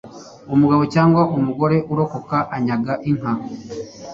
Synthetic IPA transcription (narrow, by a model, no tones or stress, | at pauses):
omuɡaβo̞caːŋɡwaʔumuɡo̞ɾe̞ʔuɾo̞ko̞kaʔaɲaɡaʔiŋ̥ɦa